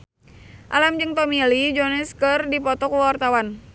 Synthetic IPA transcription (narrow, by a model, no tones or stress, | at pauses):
ʔa̰lamd͡ʒɨŋt̪ɔmilid͡ʒɔnɛskərdipɔt̪ɔkwwart̪awan